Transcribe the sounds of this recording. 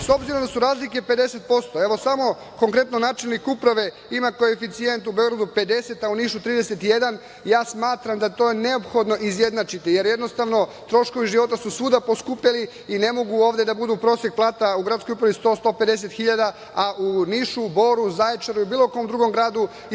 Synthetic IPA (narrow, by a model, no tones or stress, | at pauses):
so̞bziɾo̞md̪asuɾaːzlike̞pe̞d̪e̞se̞t̪̚po̞st̪o̞e̞ʋo̞samo̞ | ko̞ŋkɾe̞t̪nonaːt͡ʃelnikupɾaʋe̞ | imako̞efit̪sije̞nt̪ubeo̞ɡɾad̪upe̞d̪e̞se̞t̪auniːʃut̪ɾiːd̪e̞set̪ije̞d̪an | jaːsmaːt̪ɾamd̪at̪o̞jene̞opxo̞d̪no̞ʔizje̞d̪nat͡ʃit̪ije̞ɾje̞d̪no̞st̪aʋno̞ | t̪ɾo̞ʃko̞ʋiʒiʋo̞t̪asusuːd̪apo̞skupaliː | ne̞mo̞ɡuo̞ːʋd̪e̞d̪abud̪uːpɾo̞ːsjek̚plˠaːt̪auɡɾat̪sko̞jupɾaʋist̪o̞ːst̪o̞pe̞d̪e̞s̬e̞t̪xiʎad̪a | aʔuniʃubo̞ɾuzaet͡ʃaɾuiubiːlˠo̞ko̞md̪ɾuɡo̞mɡɾaːd̪u